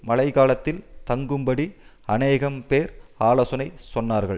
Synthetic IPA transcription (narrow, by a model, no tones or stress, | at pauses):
mɐlɐɪkaːlɐt̪ːɪlt̪ɐŋɡɯmbɐɽiɐneːɣɐmpeːɾaːloːsɐnɐɪsɔnːaːɾɣɐɭ